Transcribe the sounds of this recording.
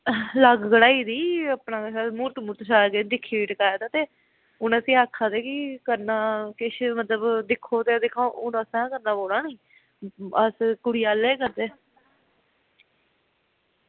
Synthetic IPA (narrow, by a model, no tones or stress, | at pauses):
ləɡɡəɽaːiːd̪iːəːpnãːkːsaːmuɾt̪muːɾt̪ʃaːked̪ɪkʰːiːiːʈəkaːjaːt̪aːt̪eː | ʊnəsĩːaːkʰːaːd̪eːkɪkəɾnaːkɪʃmət̪ləbd̪ɪkʰːoːt̪eːd̪ɪkʰːãːʔʊnəsãːkəɾnaːboːɽaːnĩː | əskʊɽɪjaːleːkəɾd̪eː